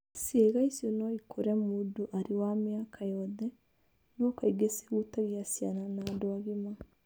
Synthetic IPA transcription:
sjeɣaisjonɔikʰoɾɛmudoʔaɾiwamjakʰajɔðɛ | nokaiɡese̥ɣutaɣiasjananadoaɣima

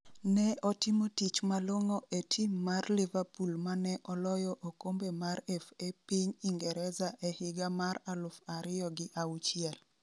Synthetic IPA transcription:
nɛɔtɪmotit͡ʃmaloŋoʔetʰimːarlivapulmanɛʔɔlɔjɔʔokombemaɾefepiɲiŋɡɛɾɛzaʔehɪɡamaralʊfaɾɪjɔɡɪʔaut͡ʃɪɛl

